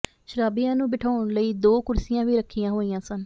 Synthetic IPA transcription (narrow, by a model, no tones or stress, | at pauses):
ʃəɾaːbijãːnũːbɪʈʰaːʊɳləiːd̪oːkʊɾsɪjãːʋiːɾəkʰːijãːɦoːijãːsən